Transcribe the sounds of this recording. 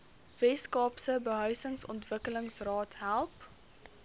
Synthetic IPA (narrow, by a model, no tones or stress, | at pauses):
vɛskɑːpsəbəɦœɥsəŋsɔ̰ntvəkələŋsrɑːtɦælˠp